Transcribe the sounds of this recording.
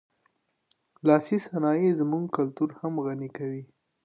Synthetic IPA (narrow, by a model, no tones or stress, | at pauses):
lɑsisanɑjezmuŋɡkalt̪uɾhamɣanikawi